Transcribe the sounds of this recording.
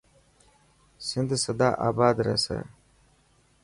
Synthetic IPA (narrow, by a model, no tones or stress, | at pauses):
sind̪sɐd̪aːʔa̰ːbaːd̪ɾɐ̰sɐ̰